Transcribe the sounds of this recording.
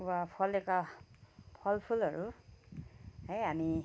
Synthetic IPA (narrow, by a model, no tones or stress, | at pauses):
apʰɔlɛka | pʰɔlpʰulaɹu | ɦejami